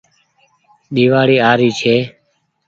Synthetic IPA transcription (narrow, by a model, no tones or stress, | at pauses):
ɗ̪iːʋaːɽiːaːɾiːt͡ʃʰeː